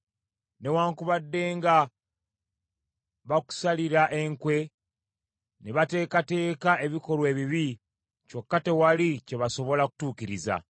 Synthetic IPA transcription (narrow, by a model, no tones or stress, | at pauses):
ne̞waːŋkuβadːe̞ːŋɡa | βaku̥saliɾaʔe̞ŋkwe̞ | neβate̞ːkate̞ːkae̞βiko̞lwe̞ːβiβi | t͡ʃo̞kːate̞walice̞βaso̞βo̞laku̥tuːkiɾiza̰